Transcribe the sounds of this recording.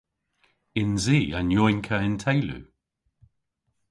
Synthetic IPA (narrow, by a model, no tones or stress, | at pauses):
ɪnziːanjɔjnkʰəɪntʰejlṵ